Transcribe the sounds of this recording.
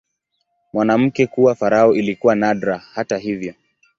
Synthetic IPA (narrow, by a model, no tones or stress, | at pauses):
mwanam̩kɛkuwafaɾaɔʔilikuwanaɗɾahataɦivjɔ